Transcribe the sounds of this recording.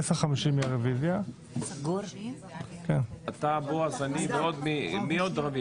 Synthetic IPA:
esχamiʃimiʁevizja | ɡ | kenat̪aboazaniveod̪mimiod̪ʁavi

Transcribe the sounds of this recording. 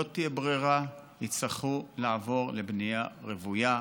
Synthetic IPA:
ot̪iebʁiʁa | it͡saχulaavo̞ʁlebnejaʁevuja

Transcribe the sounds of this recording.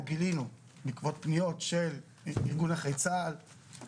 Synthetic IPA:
ɡilinu | mikvo̞t̪̚pnijo̞tʃe̞l | iʁɡunaχejt͡sal

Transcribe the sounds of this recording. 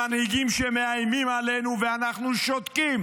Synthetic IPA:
anhiɡimʃɛmeajmimalenuveanaχnuʃot̪kim

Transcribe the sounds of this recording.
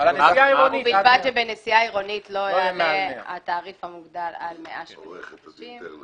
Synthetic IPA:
neaiʁonbiʃbadʃebenesiaiʁo̞nit̪lo̞jamea̰t̪aːʁifhamuɡd̪alalmeʔaʃmoneχadaʃim

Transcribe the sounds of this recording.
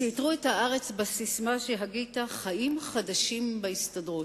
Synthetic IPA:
itʁuethaʔaʁet͡sbasismaʃeɦaɡitaχaʔimχadaʃimbaistadʁu

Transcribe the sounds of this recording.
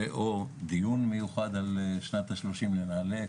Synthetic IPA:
ʔod̪ijunmejuχad̪alʃnat̪haʃloʃimlenale

